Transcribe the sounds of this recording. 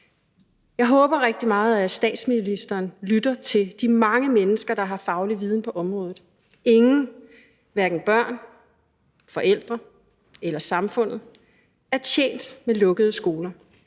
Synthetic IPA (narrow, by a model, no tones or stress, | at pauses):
jɑ̈ɪɦɔ̽ːb̥ɐʁeɡ̥̚d̥imɑ̈ːð̞̩ˠæsd̥ɛ̰ːd̥sminlisd̥ɐːnlyd̥ɐt͡sʰe̝ld̥imɑ̈ŋəmenəsɡ̥ɐd̥ɑ̈ɦɑ̈fɑ̈ʊliʋiːð̞ˠn̩pʰɒ̽ʔɒ̽mʁɔ̽ːðˠð̩ˠ | e̝ŋn̩ | ʋæɐɡ̥n̩b̥ɶɐ̰n | fɒ̽ʔel̰d̥ʁɐ | elɐsɑ̈mfɔ̽n̰ð̩ˠ | æɐt͡sʰjḛːnd̥melɔ̽ɡ̥əð̞ˠəsɡ̥o̝ːlɐ